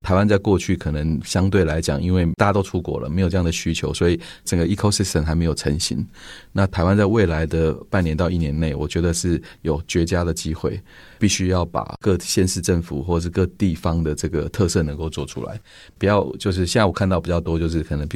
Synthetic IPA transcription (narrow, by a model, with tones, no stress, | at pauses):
t̪ʰa˧ɪwa˦˥nt͡sa˥˧ɪkwɔ˥˧t͡ɕʰy˥˩kʰɤ˨˩nə˧˦ŋɕjɑ˥ŋt̪we˥˩ɪla˧˥ɪt͡ɕjɑ̰˨˩ŋʔi˥nwe˥˩ɪa˥˩˧t̪o˥ʊʈ͡ʂʰu˥kwɔ̰˨˩lə̰˩me˧˥ɪo˨˩ʈ͡ʂɤ˧jɑ˥˩ŋd̪ə˩ɕy˥t͡ɕʰjo˧˥ʊswɔ˧˥i˨˩ʈ͡ʂə˨˩ŋɡə˩i˧˥kʰo˥˧si˥˩sə˨˩nxa˧ɪme˧˥ɪjo˨˩ʈ͡ʂʰə˧˥ŋɕḭ˧˦ŋna˥˨t̪ʰa˧˥ɪwa˦nt͡sa˥˧ɪwe˥˩ɪla˧˦ɪd̪ə˨pa˥˩njɛ˧˦nt̪ɑ˥˧ʊi˥˩njɛ˧˥nne˥˩ɪwɔ˨˩t͡ɕɥɛ˧˥d̪ə˧ʂɻ̩˥˩jo˨˩ʊt͡ɕɥɛ˧˥t͡ɕja˥d̪ə˨t͡ɕi˦˥xwe˥˩ɪ | pi˥˩ɕy˥jɑ˥˩ʊpa̰˨˩kɤ˥˧ɕjɛ˥˧nʂɻ̩˥˧ʈ͡ʂə˥˩ŋfṵ˨˩xwɔ˥˩ə˨˩ʂɻ̩˥˧kɤ˥˧t̪i˥˩fɑ˦ŋd̪ə˨ʈ͡ʂɤ˥˩ɡə˩t̪ʰɤ˥˧sɤ˥˩nə˧˦ŋko˥˧ʊt͡swɔ˥˩ʈ͡ʂʰṵ˥la̰˧˦ɪ | pu˨˩jɑ˥˧ʊt͡ɕjo˥˧ʊʂ̬ɻ̩˥ɕɛ˥˧na˥˩wkʰa˥˧nt̪ɑ˥˩ʊpi˨˩t͡ɕjɑ˥˩ʊt̪wɔ˥t͡ɕjo˥˧ʊʂ̬ɻ̩˥˩kʰɤ˨˩nə˧˦ŋ